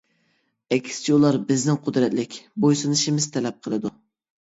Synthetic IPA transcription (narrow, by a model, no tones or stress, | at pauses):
ɛkʲʰsɪ̥t͡ʃʰiulˠɑɾbɪznɪŋqʰʊd̪ɾɛt̪lɪkʲbojsɨnɨʃɪmɪz̥t̪ʰɛlɛp̚qʰəlˠɨd̪u